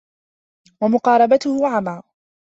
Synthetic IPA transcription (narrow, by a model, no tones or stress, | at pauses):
wamʊqɑːɾˤɑbat̪ʊhʊʕamaː